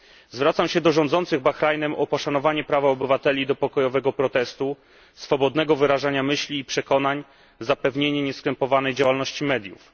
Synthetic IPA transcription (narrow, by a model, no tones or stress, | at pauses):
zvɾat̪samɕɛd̪ɔʐɔ̃nd̪zɔnt̪sɘɣbaxɾajnɛmʔɔpɔʂanɔvaɲɛpɾavaɔbɘvat̪ɛlʲid̪ɔpɔkɔjɔvɛɡɔpɾɔt̪ɛst̪u | sfɔbɔd̪nɛɡɔvɘɾaʐaɲamɘɕlʲiːpʂɛkɔn̪aɲ | zapɛvɲeɲɛɲɛskɾɛmpɔvanɛjd͡ʑawalnɔɕt͡ɕimɛd̪ʲjṵf